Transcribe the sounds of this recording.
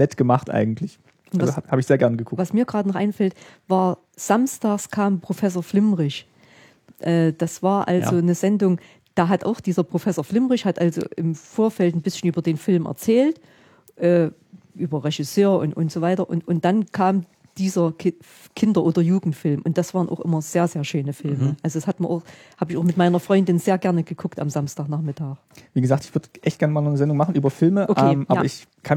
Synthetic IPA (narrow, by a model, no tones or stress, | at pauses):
nɛtɡ̥əmaχtʔa̰ɪɡŋ̩tʰlɪç | ʔʊnhaːbəɪçzeːɐɡɛɐnəɡəkʰʊkvasmiːɐɡʁaːdənɔχʔaɪnfɛltvaːɐ | z̥amstaːkskʰaːmpʁ̥ofɛs̬oːɐflɪmʁɪç | ʔɛːd̥asv̥aːɐʔalzonəzɛndʊŋ | d̥aːɦatʔa̰ʊxd̥iːzɐpʁ̥ofɛsoːɐflɪmʁɪçhatʔalzo̰ʔɪmfoːɐfɛltn̩bɪsçn̩ʔyːbɐdeːnfɪlmʔɛ̰ɐt͡sɛːlt | ʔɛː | ʔyːbɐʁɛʃɪsøːɐʔʊ̰nʊ̰ntz̥oːvaɪtɐʔʊ̰ntʔʊnt̚d̥ankʰaːm | d̥iːzɐ | kʰɪndɐʔoːdɐjuːɡŋ̩tfɪlmʔʊnt̚d̥asv̥aːʁnʔa̰ʊxʔɪ̰mɐz̥eːɐzeːɐʃøːnəfɪlməʔalzo̥ashatmiɐʔaʊx | haːbəɪçaʊxmɪtmaɪnɐfʁ̥ɔʏndɪnzeːɐɡɛɐnəɡ̥əkʰʊkta̰mzamstaːknaːχmɪtʰaːk | viːɡəzaːktɪçv̥ʏɐdəʔɛçtɡ̥ɛɐnəmaːlnɔnəzɛndʊŋmaχn̩ʔyːbɐfɪlməʔokʔɛmʔaːɐɪçkʰan